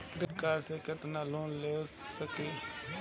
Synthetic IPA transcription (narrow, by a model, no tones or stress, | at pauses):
pɾəkaːɾsekət̪naːlõːleː | səkiː